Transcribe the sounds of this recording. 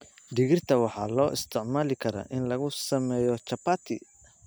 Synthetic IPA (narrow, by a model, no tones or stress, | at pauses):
ɖɪɣɪrt̪ʰɐwɑħɑːlɔːʔɪ̰st̪ʰɪʕmaːlɪkʰɐɾɐ̰ʔɪnlɐɣʊsɐmɛːjɔt͡ʃɐpat̪ʰɪ